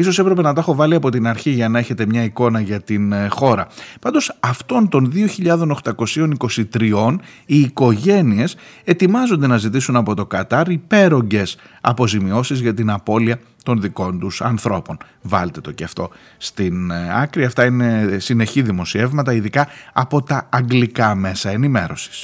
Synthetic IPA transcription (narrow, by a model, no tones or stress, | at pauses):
iso̞se̞pɾe̞pe̞nɐt̪exo̞vɐliɐpo̞t̪inɐɾçiʝɐnɐe̞çe̞t̪e̞mɲɐiko̞nɐʝɐt̪inxo̞ɾɐpɐnd̪o̞sɐft̪o̞nt̪o̞nðioçiʎɐðo̞noxt̪ɐko̞sio̞niko̞sit̪ɾio̞n | iːko̞ʝe̞nie̞se̞t̪imɐzo̞nd̪e̞nɐzit̪̬isunɐpo̞t̪o̞kɐt̪ɐɾipe̞ɾo̞ɲɟe̞sɐ̰po̞zimio̞sizʝɐt̪inɐpo̞liɐ | t̪o̞nðiko̞nt̪usɐnθɾo̞po̞n | vɐlt̪e̞t̪o̞ceɐft̪o̞ | st̪inɐkɾiɐft̪ɐine̞sine̞çiðimo̞sie̞vmɐt̪ɐiðikɐɐpo̞t̪ɐːŋɡlikɐme̞sɐe̞nime̞ɾo̞si̥s